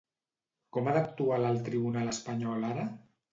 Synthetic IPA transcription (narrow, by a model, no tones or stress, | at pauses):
kɔmad̪ak̚t̪ualalˠt̪ɾiβunaləspaɲɔlaɾa